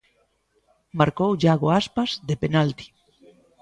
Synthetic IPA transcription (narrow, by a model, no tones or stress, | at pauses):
maɾkowaɣoaspazðepenalt̪i̥